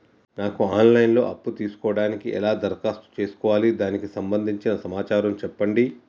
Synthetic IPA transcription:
naːkuaːnlɐjnlo̞̰ːʔɐpːut̪iːsu̥kɔːɐɽaːnikiʔɛ̰laːd̪ɐɾkaːst̪u̥t͡ʃe̞ːsu̥kɔːʋaːlid̪aːnikisɐmbɐnd̪ʱiɲt͡ʃinɐsɐmaːt͡ʃaːɾɐmt͡ʃɛpːɐɳɖi

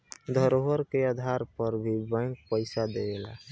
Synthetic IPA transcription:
d̪ʱəɾoɦəɾkeəd̪ʱaɾpəɾbʱibə̃ŋk̚pəɪsad̪eɡela̰

